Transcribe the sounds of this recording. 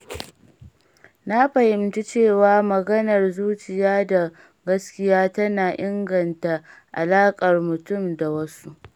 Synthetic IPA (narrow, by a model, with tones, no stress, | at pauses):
na˦ɸɐ˨hɪ˨mti˦t͡ʃeː˦˨waː˦mɐ˨ɡɐ˦nɐ˨rzuː˦t͡ʃɪ˨jaː˦da˨ | ɡɐ˦skʲɪ˦jaː˦tɐ˦naː˨ʔɪ˦ŋɡɐ˨nta˨ʔa̰˨laː˦kʼɐ˨rmʊ˨tʊ˦˨mda˨wɐ˦su˦ʔ